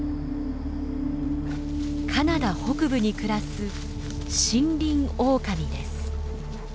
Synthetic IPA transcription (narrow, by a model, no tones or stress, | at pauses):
kʰanad̪aho̞kɯ̟bɯ̟ɲ̟ikɯ̟ɾasɨ | ɕĩnɾʲĩŋo̞ːkaɲʲid̪e̞̰sɨ̥